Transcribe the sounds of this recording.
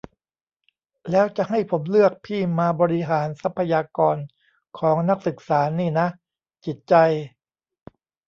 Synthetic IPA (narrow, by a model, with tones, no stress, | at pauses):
lɛː˦˥wt͡ɕa˨˩ha˥˩jpʰo˩˦mlɯ˥˩ək̚pʰiː˥˩maː˧bɔː˧ɾi˦˥ɦaː˩˦nsa˦˥pʰːa˧jaː˧kɔː˧n | kʰɔː˩˦ŋna˦˥k̚sɯ˨˩k̚saː˩˦niː˥˩na˦˥ʔ | t͡ɕi˨˩t̪̚t͡ɕa˧j